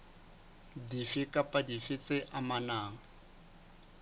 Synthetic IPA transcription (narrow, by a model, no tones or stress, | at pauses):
difɪkʼapʼadifɪt͡sʼɪʔamanaːŋ̩